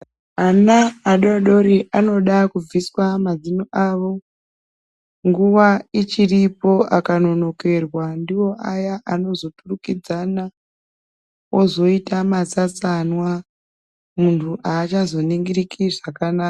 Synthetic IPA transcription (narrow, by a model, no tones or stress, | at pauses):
anaːɗoɗo̞ɾiʔano̞ɗakub͡viswamazinoʔaʋo̞ | ŋɡuʋait͡ʃiripo̞ʔakano̞no̞ke̞rwandiwo̞ʔajaʔano̞zo̞turukid͡zana | o̞zo̞itamat͡sat͡sanwa | muntʰuʔaːt͡ʃazo̞niŋɡirikiʐakanaːa